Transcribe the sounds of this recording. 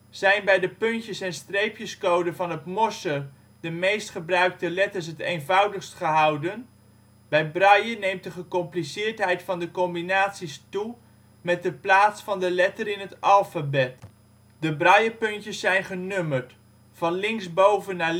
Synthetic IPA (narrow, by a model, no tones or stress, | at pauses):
z̥ɛjnbɛjdəpɵntjəsɛnstrejpjəskowdənvɑnɦətmɔsər | dəmejstχəbrœɥk̚təlɛtəɹs̬ɦətejnvɑwdəχstχəɦɑwdən | bɛjbrɑjənejmt̚dəχəkɔmplisɪːɹtɦɛjtfɑndəkɔmbinaːtsistu | mɛt̚dəplaːtsfɑndəlɛtəɾɪnɦətɑlˠfabɛt | dəbrɑjəpɵntjəsːɛjnχənøməɹt | fɑnlɪŋzbowvənːa